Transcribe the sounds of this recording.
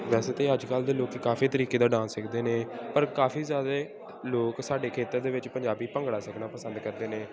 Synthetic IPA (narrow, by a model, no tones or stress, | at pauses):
ʋɛːseːt̪eːəd͡ʒkəld̪eːloːkːkaːfiːt̪əɾiːkeːd̪aːɖãːnsɪkʰd̪eːneːpəɾkaːfiːzjaːd̪a | loːksaːɖeːkʰeːt̪ːəɾd̪eːʋɪt͡ʃpəɲd͡ʒaːbiːpəŋɡɽaːsəkʰnaːpəsənd̪kəɾd̪eːnẽː